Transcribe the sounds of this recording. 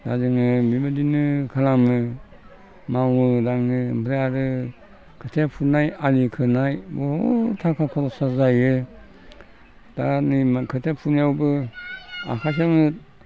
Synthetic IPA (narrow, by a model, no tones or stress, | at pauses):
da̰zɯŋɯmibadinɯkʰalamɯ | mawɯɾaŋnɯbʰɾeaɾɯ | kʰɯtʰepʰunajalikʰɯnajbɔtʰakʰakʰɔɾɔsazajɯ | d̥animkʰɯtʰepʰuniawbɯ | a̰kʰas̬amɯ